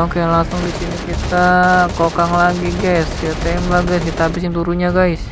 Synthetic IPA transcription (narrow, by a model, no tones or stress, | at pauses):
okeaŋlaŋsʊŋdisinikit̪akokaŋlaɡiɡajsiat̪ambaɡaskit̪aɦabɪs̬jaŋt̪uɾuɲaɡaɪs